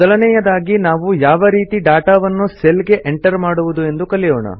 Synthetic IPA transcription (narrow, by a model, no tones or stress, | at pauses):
ɐlɐnɛjɐd̪aːɡinaːʋujaːʋɐɾiːt̪iɖaːʈaːʋɐnːuselɡe̞ʔeɳʈɐɾmaːɽuʋud̪ue̞nd̪ukɐlijɔːɳɐ̰